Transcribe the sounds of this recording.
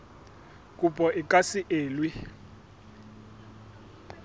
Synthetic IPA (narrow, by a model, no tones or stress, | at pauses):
k̬ʼupʼɔʔikʼasiʔeːlwi